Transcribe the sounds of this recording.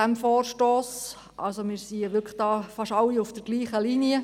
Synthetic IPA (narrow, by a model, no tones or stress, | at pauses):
æmfoːrʃtoːs | ʔɑ̰lsomɪːɾsiːəʋʏɾkʰχd̥ɑːfɑʃɑlːiufd̥əɾɡ̥liːχəliniə